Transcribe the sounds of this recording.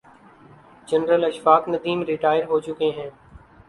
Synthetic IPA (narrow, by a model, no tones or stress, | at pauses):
d͡ʒənɾəlɐʃfaːknəd̪iːmɾɪʈaːɪəɾɦoːt͡ʃʊkeːɦɛ̃ː